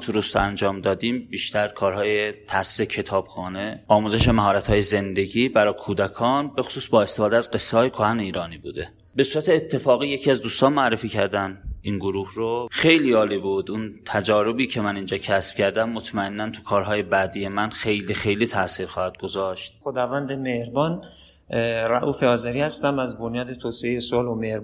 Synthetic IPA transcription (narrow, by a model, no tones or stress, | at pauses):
t̪ʰuɾust̪ʰoænd͡ʒɒːmd̪ɒːd̪iːmbiːʃt̪æɾkʰɒːɾhɒːjet̪ʰæsiːsecʰe̞t̪ʰɒːb̥xɒːne̞ɒːmuːzeʃemæɦɒːɾæt̪ʰhɒːje̞ze̞nd̪e̞ɟiːbæɾɒːkʰuːd̪ækʰɒːnbe̞xo̥suːsbɒːe̞st̪efɒːd̪eæzɡe̞sːeɒːjekʰohæneiːɾɒːniːbuːd̪e̞ | be̞suːɾæt̪ʰe̞ːt̪ʰːe̞fɒːɣiːje̞cʰiæzd̪uːst̪ɒːnmoæɾːefiːcʰæɾd̪æninɡoɾuːhɾoxe̞jliːɒːlibud̪unt̪ʰæd͡ʒɒːɾo̞biːcʰe̞mæniːnd͡ʒɒːcʰæsb̥cʰæɾd̪æmːot̪ʰmæenːænt̪ʰu̥kʰɒːɾɦɒːje̞bæːd̪ije̞mænxe̞jlixe̞jliːt̪ʰæʔsiːɾxɒːhæd̪̚ɡozɒʃt̪̚xod̪ɒːvænd̪emehɾbɒːn | ɾæʔuːfeɒːzeɾiːhæst̪æmæzbonjɒːd̪et̪ʰoːseejesolomeɾ